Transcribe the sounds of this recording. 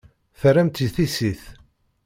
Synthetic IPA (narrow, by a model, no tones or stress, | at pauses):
θərːæmt̪iθisiθ